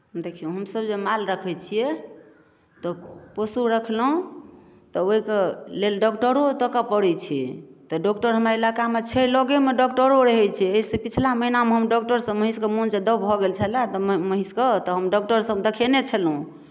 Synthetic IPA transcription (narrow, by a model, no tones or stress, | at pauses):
d̪ekʰijũɦəmsəbd͡ʒemalɾəkʰɛt͡ʃʰijɛ | t̪ɔpəsuɾəkʰlɦũ | t̪ɔoɦikelelɖɔkʈəɾot̪əkəpəɽɛt͡ʃʰɛt̪ɔɖɔkʈəɾɦəmɾailakamet͡ʃʰɛlɔɡemeɖɔkʈəɾoɾəɦɛt͡ʃʰɛeisepit͡ʃʰlaməɦinameɦəmɖɔk̚ʈəɾsə̃məɦiskemunsed̪əbbʱɔɡelt͡ʃʰəlat̪ɔməɦiskət̪ɔɦəmɖɔk̚ʈəɾsəbd̪ekʰenet͡ʃʰəlɦũ